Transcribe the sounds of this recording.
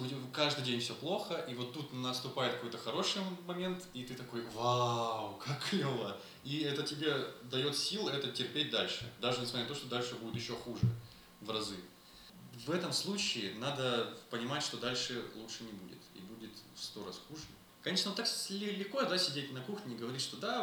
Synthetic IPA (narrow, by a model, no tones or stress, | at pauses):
budʲɪkaʐd̪ɨdʲenʲfsʲo̞plˠo̞xəʔivo̞t̪ːut̪nəst̪ʊpajɪt̪̚kɐkojt̪əxɐɾo̞ʂɨjmɐmʲe̞nt̪it̪ɨt̪ɐko̞jvawkaklʲɪvə | iɛt̪ətʲɪbʲe̞d̪ɐjo̞t̪sʲilˠɛt̪ətʲɪrpʲet̚ʲd̪alʲʂɨ̰d̪aʐɨnʲsmɐt̪ɾʲnoʂt̪od̪alʲʂɨbudʲɪt̪jɪɕːo̞xuʐɨ̰ | vrɐzɨ | vɛt̪əmslˠut͡ɕɪːnad̪əpənʲɪmatʲʂt̪o̞d̪alʲʂɨlˠutʂɨnʲɪbudʲɪ̰t̪ḭbudʲɪt̪fst̪o̞ɾa̰sxuʐnʲə | kɐnʲe̞ʂnət̪ːakʲlʲɪlʲɪxkod̪asʲɪdʲetʲnɐkuxnʲɪːɡəvɐɾʲitʲʂt̪od̪a